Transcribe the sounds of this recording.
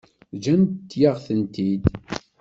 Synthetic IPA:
d͡ʒæmt̪t̪ːjaʁθənt̪id̪

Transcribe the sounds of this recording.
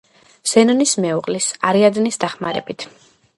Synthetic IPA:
z̥ɛnɔnismɛuqʼlisaɾiad̪nisd̪aχmaɾɛ̰bit̪ʰ

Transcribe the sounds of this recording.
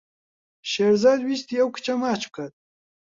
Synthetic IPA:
ʃeːɾzaːd̪wist̪iɐwkɨ̥t͡ʃɐmaːt͡ʃ̚kʰɐt̪̚

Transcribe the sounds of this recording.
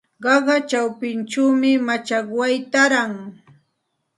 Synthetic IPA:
ɢɑɢɑt͡ʃawpɪnt͡ʃuwmɪmat͡ʃakwajt̪aɾaŋ

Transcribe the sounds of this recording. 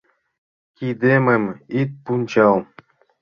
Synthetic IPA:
kʲid̪emɘmit̪̚punt͡ɕɑlˠ

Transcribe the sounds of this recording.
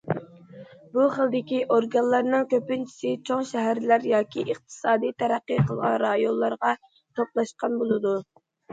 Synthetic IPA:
buχəlˠd̪ɪkʲiʔoɾɡɑnlˠɑɾnɨŋkʲøpynt͡ʃʰi̥sɪt͡ʃʰoŋʃɛɦæɾlæɾjɑːkʲʰiʔəχt̪ʰɨ̥sɑːd̪ɨjt̪ʰæɾæqːiqʰəlˠʁɑnɾɑjonlˠːɑɾʁɑ | t̪ʰoplˠɑʃqɑnbolˠɨd̪u

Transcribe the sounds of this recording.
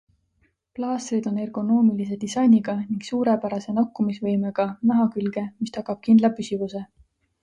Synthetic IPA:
plɑːsrid̪̥o̞ne̞rɡ̥o̞no̞ːmilis̬e̞d̪̥isɑjniɡ̥ɑniŋɡ̥suːɾe̞pæɾɑse̞nɑkːˑumisvɤjmeɡ̥ɑnæɦɑkylɡ̥e̞mist̪ɑkːˑɑb̥̚kind̪lɑpysivuse̞

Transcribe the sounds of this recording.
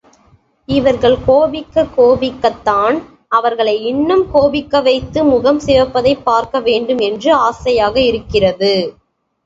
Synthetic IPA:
ɪʋɐɾɣɐɭkoːbɪkːɐkːoːbɪkːɐt̪ːaːn | ɐʋɐɾɣɐɭɐɪɪnːɯmkoːbɪkːɐʋɐɪt̪ːɯmʊɣɐmseːɾpːɐðɐɪpːaːɾkɐʋeːɳɖɯmɛndrɯaːsɐjaːɣɐɪɾɯkːɪrɐðɯ

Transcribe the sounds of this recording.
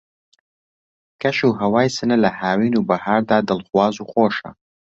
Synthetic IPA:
kɐʃuːɦɐwaːjsɨnɨlɐhaːwiːnuːbɐhaːɾd̪aːd̪ɨlˠχwaːzuːxoːʃɐ̰

